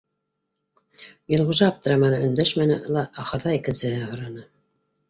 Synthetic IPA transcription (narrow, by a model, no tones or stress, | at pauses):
jɤ̆lˠʁŭʒɑɑp̚t̪ɤ̆ɾɑmɑnɤɵ̆nd̪æʃmænɘʔɤlˠɑʔːχɤ̆ɾðɑikɘ̆nsɘ̆hɘɦŏɾɑnɤ